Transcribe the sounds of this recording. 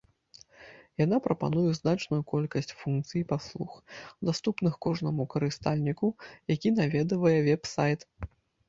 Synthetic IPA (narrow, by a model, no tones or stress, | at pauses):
jan̪apɾɐpa̰nujɛznat͡ʂnujukɔlʲkɐsʲt͡sʲfunkt̪sɨjipaslˠuxd̪ast̪upnɨxkɔʐnɐmukɐɾɨst̪alʲnʲikujakʲinavʲɛd̪ɨvɐjɛvʲɛpsajt̪